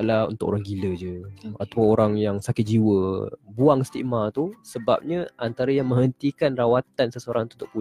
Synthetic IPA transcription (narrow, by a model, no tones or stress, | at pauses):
laṵnt̪ʊko̰ɾaŋɡiləd͡ʒəat̪awəoɾaŋjaŋsakɪt̪̚d͡ʒiwəbuaŋist̪ḭʔmat̪usəba̰p̚ɲə̃ʔant̪aɾajaŋmə̃ŋɦənt̪ikanrawat̪ansəsəoɾaŋt̪ut̪ʊʔ̚pu